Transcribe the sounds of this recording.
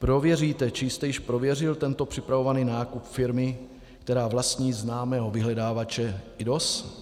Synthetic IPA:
pɾo̞vjɛriːt̪ɛt͡ʃɪjst̪ɛjɪʃpɾo̞vjɛrɪlt̪ɛnt̪o̞pr̝̥ɪpɾavo̞vaniːnaːkupfɪɾmɪ | kt̪ɛɾaːvlast̪ɲiːznaːmɛːɦo̞vɪɦlɛdaːvat͡ʃɛɪdo̞s

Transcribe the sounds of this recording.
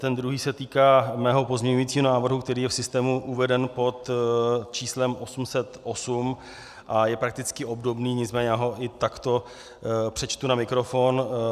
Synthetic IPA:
t̪ɛnd̪ɾuɦiːsɛt̪iːkaːmɛːɦo̞po̞zmɲɛɲujit͡siːɦonaːvr̩ɦukt̪ɛɾiːjɛfsɪst̪ɛːmuʔuvɛdɛnpo̞t̪t͡ʃiːslɛmʔo̞sumsɛt̪ʔo̞sum | ʔajɛpɾak̚t̪ɪt͡skɪʔo̞bdo̞bniːɲɪt͡smɛːɲɛjaːɦo̞ʔɪt̪akt̪o̞ | pr̥ɛt͡ʃt̪unamɪkɾo̞fon

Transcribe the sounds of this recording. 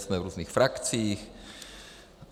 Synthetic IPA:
smɛvɾuːznixfɾakt͡siːx

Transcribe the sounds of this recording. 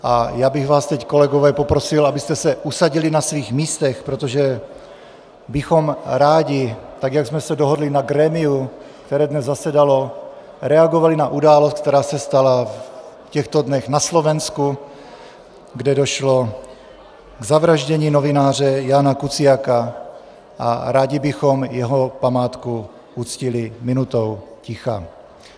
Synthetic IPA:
ʔajaːbɪɣvaːst̪ɛckolɛɡovɛːpo̞pɾosilʔabɪst̪ɛsɛʔusaɟilinasviːɣmiːst̪ɛxpɾot̪oʒɛ | bɪxomɾaːɟɪt̪aɡjaɡzmɛsɛdoɦodlinaɡɾɛːmiu | kt̪ɛɾɛːdnɛzːasɛdalo̞ | ɾɛaɡovalinaʔudaːlost̪k̚t̪ɛɾaːsɛst̪alaf | cɛxt̪odnɛɣnaslovɛnsku | ɡdɛdoʃlo̞ | ɡzavɾaʒɟɛɲiːno̞vɪnaːr̝ɛjaːnakut͡sɪjaka | ʔa̰ɾaːɟɪbɪxomjɛɦopamaːt̪ku | ut͡scɪlɪmɪnut̪owcɪxa̰

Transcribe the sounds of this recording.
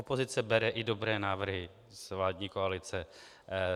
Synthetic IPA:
opozɪt͡sɛbɛɾɛʔɪdo̞bɾɛːnaːvr̩ɦɪ | zvlaːdɲiːkoalɪt͡sɛ

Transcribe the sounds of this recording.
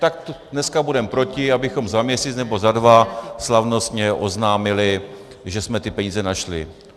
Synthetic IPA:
t̪ak̚t̪ | nɛskabudɛmpɾo̞cɪabɪxo̞mzamɲɛsiːt͡snɛbozadvaslavno̞st̪ɲɛʔo̞znaːmɪlɪ | ʒɛsmɛt̪ɪpɛɲiːzɛnaʃlɪ

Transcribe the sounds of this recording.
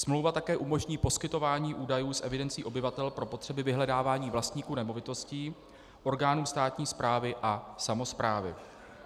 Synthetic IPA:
smlowvat̪akɛːʔumo̞ʒɲiːpo̞skɪt̪o̞vaːɲiːʔuːdajuːsʔɛvɪdɛnt͡siːʔo̞bɪvat̪ɛlpɾo̞po̞t̪r̥ɛbɪvɪɦlɛdaːvaːɲiːvlast̪ɲiːkuːnɛmo̞vɪt̪o̞sciː | ʔo̞ɾɡaːnuːmst̪aːt̪ɲiːspɾaːvɪʔasamo̞spɾaːvɪ̰

